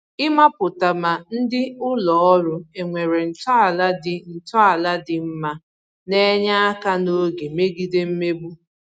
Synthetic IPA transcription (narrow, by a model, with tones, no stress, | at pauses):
ɪ˦ma˦pʊ˨ta˨ma˨n̩˦dɪ˦ʊ˦lɔ˦ɔ˦ɾʊ˦e˨ŋʷe˨ɾe˨n̩˨tɔ˦a˨la˦dɪ˨n̩˨tɔ˦a˨la˦dɪ˨m̩˦ma˦ | ne˦ɲa˦a˦ka˦no˦ɡe˨me˦ɡi˦de˦m̩˦me˦bu˦